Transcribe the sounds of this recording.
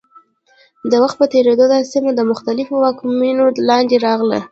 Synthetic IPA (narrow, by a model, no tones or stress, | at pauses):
d̪əwaxt̪̚pət̪eɾed̪od̪ɑsimad̪əmʊxt̪alɪfowɑkminolɑnd̪eɾɑɣlə̰